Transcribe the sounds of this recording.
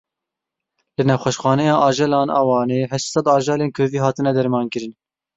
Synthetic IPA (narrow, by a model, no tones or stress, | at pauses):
lɨnɛwxʷɛʃxɑːnɛjɑːʔɑːʒɛlɑːnʔɑ̰wɑːneːɦɛʃt̪sɛd̪ɑːʒɑːleːnkʰøːviːɦɑːt̪ɨnɛd̪ɛɾmɑːnkɨɾɨn